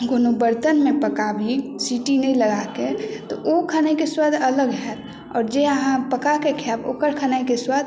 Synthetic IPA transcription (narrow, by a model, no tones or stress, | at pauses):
ɡonobəɾt̪ənmẽpəkabʱisiʈinəĩləɡaket̪ɔ̰okʰanaikeswad̪ʱələɡɦɛt̪ | ɔːɾd͡ʒeəɦãpəkakekʰjabo̰ːkəɾkʰanaikeswəd̪ʱ